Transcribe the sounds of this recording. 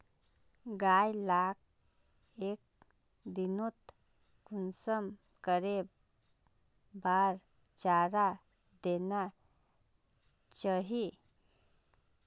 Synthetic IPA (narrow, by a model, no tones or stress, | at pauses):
ɡajlak̚ | ek̚ | d̪inot̪ | kunsəm | kəɾe | baɾ | t͡ʃaɾa | d̪ena | t͡ʃaɦi